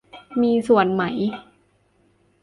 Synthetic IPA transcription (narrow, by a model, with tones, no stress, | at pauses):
miː˧su˨˩ənma˩˦j